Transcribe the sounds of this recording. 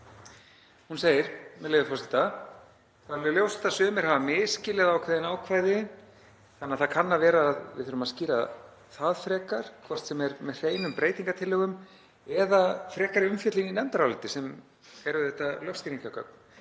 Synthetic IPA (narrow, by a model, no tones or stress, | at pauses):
hunseːjɪɾ̥mɛðlejvɪfɔsɪ̥t̪a | θaðlʏljowst̪ːasʏːmɪɾ̥havamɪːscɪlɛðaːwkʰvajðɪnaːwkʰvaːjðɪ | θanːaðθakʰanːavɛːɾaːðvɪðθʏɾʏmaðsciːɾa̰ | θaðfɾɛːkaɾ̥kʰvɔr̥t̪sɛmɛɾmɛðr̥eːjnʏmpɾeːjt̪iŋkat̪ʰɪlːœːɣʏm | ɛðafɾɛːkaɾɪʏmfjœt̪lininɛmt̪aɾawlɪt̪ɪsɛm | fɛɾʏðɛht̪ːalœfsk̪iɾiŋkakʰœ̰p̚n̥